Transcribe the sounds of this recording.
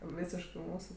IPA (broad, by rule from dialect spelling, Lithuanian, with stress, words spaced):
ˈʋʲiːsʲɪʃkɜ ˈmuːsʊ